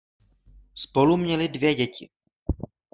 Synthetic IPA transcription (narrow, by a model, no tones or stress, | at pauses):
spo̞lumɲɛlɪdvjɛɟɛcɪ̰